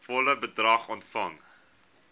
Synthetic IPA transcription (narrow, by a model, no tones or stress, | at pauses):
fɔləbədrɐχɔntfɐŋ